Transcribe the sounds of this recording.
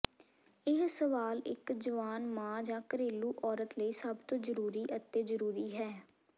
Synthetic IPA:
ɪɦsəʋaːlɪ̰kd͡ʒəʋaːnmãːd͡ʒãːkəɾeːluːʔɔːɾət̪ləiːsəbt̪õːzəɾuːɾiːʔət̪ːeːzəɾuːɾiːɦɛː

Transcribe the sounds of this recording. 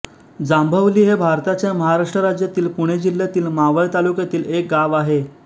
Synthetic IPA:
d͡zambʱəʋliːɦebʱaɾt̪at͡ɕjaməɦaɾaʂʈɾəɾad͡ʑjat̪iːlpuɽ̃ed͡ʑil̤jat̪iːlmaʋəɭt̪alukjat̪iːlek̚ɡaʋaɦe

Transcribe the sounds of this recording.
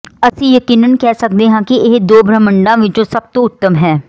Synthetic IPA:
əsĩːjəkiːnənkɛːsək̚d̪eːɦãːkɪɪɦd̪oːbɾəməɳɖãːʋɪt͡ʃõːsəb̚t̪õːʊt̪ːəmɦɛː

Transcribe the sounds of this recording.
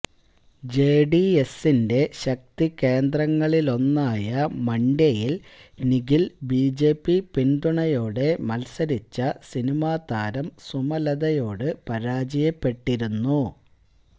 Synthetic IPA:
d͡ʑeːɖie̞sinde̞ɕɐk̚t̪ikːe̞ːnd̪rɐŋːɐɭilo̞nːaːjɐmɐɳɖɐjilniɡilbiːd͡ʑe̞ːpːipind̪uɳɐjo̞ːɽe̞mɐlsɐɾit͡ɕːɐsinimaːd̪aːɾɐmsumɐlɐd̪ɐjo̞ːɽɨpɐɾaːd͡ʑijɐpːe̞ʈːiɾunːu

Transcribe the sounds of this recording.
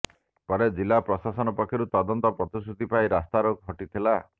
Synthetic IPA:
pɔɾed͡ʒilːapɾɔsasɔnɔpɔkʰːjɔɾut̪ɔd̪ɔnt̪ɔpɾɔt̪isɾud̪ʱipaiɾast̪aɾɔɡʱɔʈit̪ʰila

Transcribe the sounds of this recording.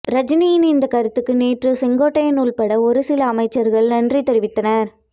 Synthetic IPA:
ɾɐd͡ʒɪnijɪnɪnd̪ɐkɐɾɯt̪ːɯkːɯneːʈrɯsɪŋɡoːʈːɐjɐnuːɭpɐɽɐɔɾɯsɪlɐːmɐɪt͡ʃːɐɾɣɐɭnɐndrit̪ɛɾɪʋɪt̪ːɐnɐɾ

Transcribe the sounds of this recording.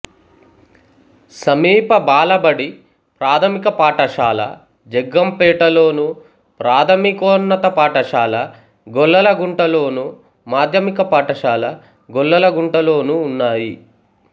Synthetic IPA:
sɐmiːpɐbaːlɐbɐɽi | pɾaːt̪ʰɐmikɐpaːʈɐʃaːlɐ̰ | d͡ʒɛɡːɐmpɛːʈɐlo̞ːnu | pɾaːt̪ʰɐmikɔːnːɐt̪ɐpaːʈɐʃaːlɐ | ɡɔɭːɐlɐɡuɳʈɐlo̞ːnu | maːd̪ʱjɐmikɐpaːʈɐʃaːlɐ | ɡɔɭːɐlɐɡuɳʈɐlo̞ːnuːnːaːji

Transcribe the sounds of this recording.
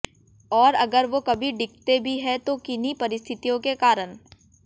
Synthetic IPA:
ɔːɾɐɡəɾʋokɐbʱiɖɪk̚ʰt̪ebʱiɦɛt̪okɪnipɐɾɪst̪ʰɪt̪ijõkekaːɾəɳ

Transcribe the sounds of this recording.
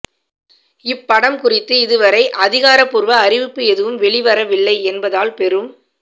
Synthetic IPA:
ɪpːɐɽɐmkʊrɪt̪ːɯɪðɯʋɐɾɐɪʔɐðɪɣaːɾɐpːʊɾʋɐːrɪʋɪpːɯɛðɯʋɯmʋɛɭɪʋɐɾɐʋɪɭːɐɪɛnbɐðaːlpɛrɯm

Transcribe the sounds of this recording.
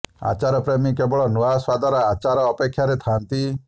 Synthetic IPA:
a̰t͡ʃaɾɔpɾemikebɔɭɔnɔaswad̪ɔɾɔat͡ʃaɾɔːpekʰːjaɾet̪ʰant̪i

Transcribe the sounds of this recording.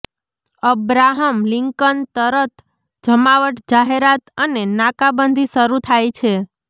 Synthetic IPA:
əbɾaɦəmliŋkənt̪əɾət̪ʰ | d͡ʒəmaʋəʈd͡ʒaɦeɾat̪ənenakabənd̪ʱiʃəɾut̪ʰajt͡ʃʰe

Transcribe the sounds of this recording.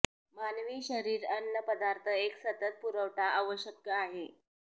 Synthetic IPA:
manʋiːɕəɾiːɾənːəpəd̪aɾt̪ʰəeksət̪ət̪̚puɾəʋʈaʔəʋəɕəkːəaɦe

